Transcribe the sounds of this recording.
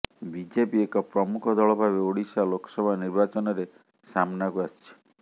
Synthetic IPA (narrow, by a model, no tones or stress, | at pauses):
bid͡ʒepiekɔpɾɔmukʰɔd̪ʱɔɭɔbʱabeoɽisalokɔ̥sɔbʱaniɾbat͡ʃɔnɔɾe | samnakuast͡ʃʰi̥